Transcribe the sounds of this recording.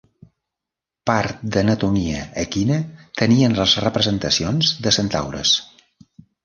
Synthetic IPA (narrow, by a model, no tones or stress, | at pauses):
paɾt̪̚d̪ənət̪umiəːkinət̪əniənləzrəpɾəzənt̪əsionzðəsənt̪a̰wɾə̰s